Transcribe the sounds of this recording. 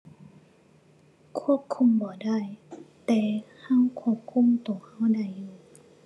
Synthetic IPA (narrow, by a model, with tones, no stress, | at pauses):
kʰu˥˩əp̚kʰu˧˥˩mbɔː˨˩da˥˩jt̪ɛː˨˩ha˧˥˨ŋkʰu˧˥˩əp̚kʰu˧˥˨mt̪u˨˩˨ha˧˥˨wda˧˩˨jːuː˧˩